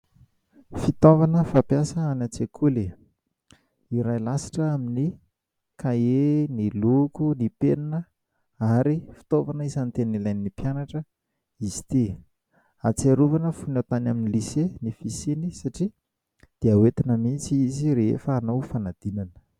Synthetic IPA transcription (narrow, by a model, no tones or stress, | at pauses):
fit̪ovanəfapjasəanat͡sekʰuli | iɾajlasi̥ʈ͡ʂəamini | kaenilukunipeninə | aɾifi̥t̪ovanəizant̪enilajniːipjanaʈ͡ʂə | izi̥t̪i | at͡siaɾuvanəfunat̪anaminilisenifisinisaʈ͡ʂi | d̪̥eawet̪inəmit͡siiziɾeḛfəːnawfanad̪̥inanə̥